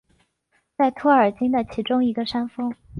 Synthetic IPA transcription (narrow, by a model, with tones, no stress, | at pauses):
t͡sa˥˩ɪt̪ʰwɔ˥ə˞˨˩t͡ɕi˥nd̪ə˨t͡ɕʰi˧˥ʈ͡ʂʊ˥ŋi˧˥ɡə˧ʂa˥nfɤ˥ŋ